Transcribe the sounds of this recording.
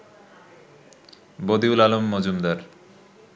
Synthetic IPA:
bod̪iulalomːod͡ʑumd̪aɾ

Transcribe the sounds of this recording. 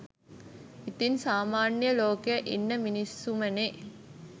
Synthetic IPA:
it̪insaːmaːnjəloːkejəʔinːəminisːuməne

